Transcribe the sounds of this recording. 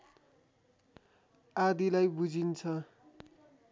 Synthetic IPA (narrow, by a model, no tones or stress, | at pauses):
ad̪ilajbud͡zint͡sʰʌ